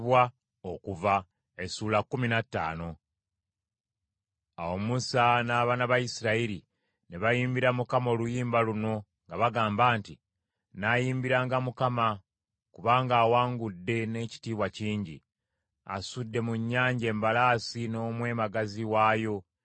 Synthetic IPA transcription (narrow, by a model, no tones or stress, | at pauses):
βwa | okuva | esuːlakːuminatːa̰ːno̞ | awomusanaːβanaβajisiɾaiɾi | neβajiːmbiɾamukamo̞ːlujiːmbaluno̞ | ŋɡaβaɡaːmbaːnti | najiːmbiɾaːŋɡamukama | kuβaːŋɡaːwaːŋɡudːe̞ne̞ːci̥tiːβwaciːɲɟḭ | a̰sudːe̞muɲːaːɲɟe̞ːmbalaːsino̞ːmwe̞ːmaɡaziwaːjo̞